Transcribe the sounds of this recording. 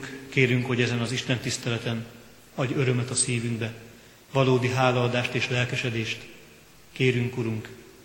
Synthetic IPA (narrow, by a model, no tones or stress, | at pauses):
kkeːɾyŋkho̞ɟɛzɛnɒziʃt̪ɛnt̪ist̪ɛlɛt̪ɛn | ɒɟøɾø̞mɛt̪ɒsiːvyŋɡbɛ | vɒloːd̪iɦaːlɒːd̪aːʃt̪eːʃlɛlkɛʃɛd̪eːʃt̪ | keːɾyŋkuɾuŋk